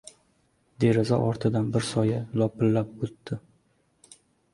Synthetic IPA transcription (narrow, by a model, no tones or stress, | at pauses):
d̪e̞ɾɪzɒ̰ʔɒɾt̪ʰɪd̪anbɪɾsɒjɪlˠɒpɪlːap̚ɵt̪ːɪ